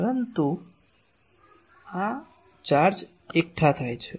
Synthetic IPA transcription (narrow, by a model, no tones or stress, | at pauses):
pəɾənt̪u | ã | t͡ʃaɾd͡ʒ | ek̚ʈʰat̪ʰajt͡ʃʰe